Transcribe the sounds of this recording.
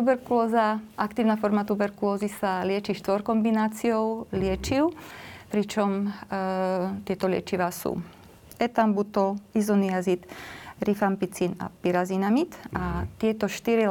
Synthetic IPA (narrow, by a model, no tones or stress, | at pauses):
t̪ubɛɾkulɔːzaʔakt̪iːʊnafɔɾmat̪ubɛɾkulɔːzisalɪɛt͡ʃiʃt̪ʋɔɾkɔmbinaːt͡sijɔʊlɪɛt͡ʃiʊpɾit͡ʃɔm | t̪ɪɛt̪ɔlɪɛ̰t͡ʃiʋasṵː | ɛt̪ambut̪ɔlizɔniazit̪ɾifampit͡sina̰piɾazinamit̪ʔat̪ɪɛt̪ɔʃt̪iɾi